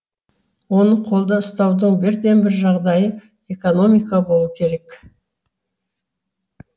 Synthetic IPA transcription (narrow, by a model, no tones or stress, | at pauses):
wo̞nəqʰo̞lˠd̪əəst̪ɑwd̪əɴbɪɾd̪e̞mbɪɾʒɑʁd̪ɑjə | e̞ko̞no̞mijkabo̞lˠəkʲʰe̞ɾe̞k